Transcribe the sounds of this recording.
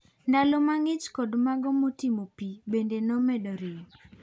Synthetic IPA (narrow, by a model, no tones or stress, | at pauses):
ndalɔmaŋɪt͡ʃkodmaɡɔmotimopibendenomɛdoɾɪ